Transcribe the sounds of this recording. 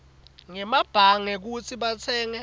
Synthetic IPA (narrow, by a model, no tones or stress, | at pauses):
ŋɛmab̥ʱaŋɛk̬ut͡sʰiɓat͡sʰɛːŋɛ